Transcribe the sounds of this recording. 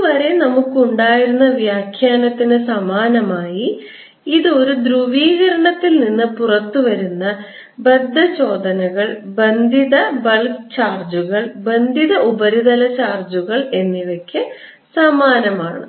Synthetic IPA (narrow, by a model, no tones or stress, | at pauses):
ʋɐɾe̞nɐmukːuɳɖaːjiɾunːɐʋjaːkʰjaːnɐt̪ːinɨsɐmaːnɐmaːjiː | ðɨo̞ɾud̪ɾuʋiːɣɐɾɐɳɐt̪ːilninːɨpurɐt̪ːuʋɐɾunːɐ | bɐd̪ːɐt͡ɕo̞ːd̪ɐnɐɣɐɭbɐnd̪ʱiðɐbɐɭt͡ɕaːrd͡ʑuɣɐɭbɐnd̪ʱiðɐʔubɐɾiðɐlɐt͡ɕaːrd͡ʑuɣɐɭe̞nːiʋɐkʲːɨ | sɐmaːnɐmaːɳɨ̰